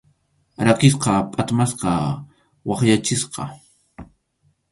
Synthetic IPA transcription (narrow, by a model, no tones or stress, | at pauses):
ɾɑqɪs̬qɑpʼat̪masqɑ | wɑχjat͡ʃɪsqɑ̰